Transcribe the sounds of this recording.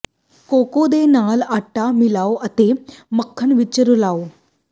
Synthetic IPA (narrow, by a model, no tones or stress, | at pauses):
kokod̪enalaʈːamilaoʔət̪eməkʰːəɳʋit͡ɕːəɾulao